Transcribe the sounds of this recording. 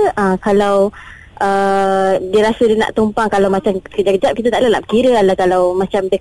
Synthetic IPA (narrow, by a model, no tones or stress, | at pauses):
ʔakalaw | ʔə | diəɾasədəna̰ʔt̪umpaŋkalawmat͡ʃamkəd͡ʒakəd͡ʒap̚kit̪at̪aʔlanaʔpkiɾəalakalawmãt͡ʃamdə